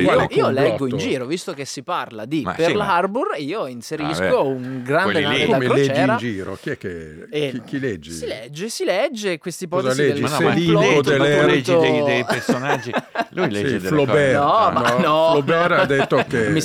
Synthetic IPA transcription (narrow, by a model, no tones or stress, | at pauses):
ioiːolɛɡːoind͡ʒiːɾovist̪okesːiparlad̪ipelarburiːoinseɾiskouŋɡɾand̪enaiamelɛt͡ʃɛd͡ʒɛːɾnad͡ʒiːɾo̰k̟iɛkːe | ekilɛd͡ʒːessilɛd͡ʒːesilɛd͡ʒːekwest̪ip̬ɔtzazlɛd͡ʒioelːɛɾed͡ʒ̪oed̪esonad͡ʒːilujlːflobɛnɔmanɔlobɛɾad̪ːet̪ːokemi